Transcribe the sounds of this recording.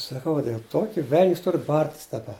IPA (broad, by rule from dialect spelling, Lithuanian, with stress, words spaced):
sɐˈkɐʊ dʲeːlˠ ˈtoːkʲɪ ʋʲɛlʲnʲsʲ ˈtʊr ˈbɐrʲtʲɪs dɐˈbɐ